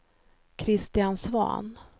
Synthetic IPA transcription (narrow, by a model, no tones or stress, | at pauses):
kʰɾɪst̪ɪansvɑ̰ːn